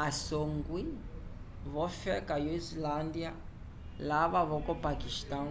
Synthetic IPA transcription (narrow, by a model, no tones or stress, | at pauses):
asoŋɡwi | βɔfɛkajɔizland̪ia | laβaβɔkɔpakiʃt̪ã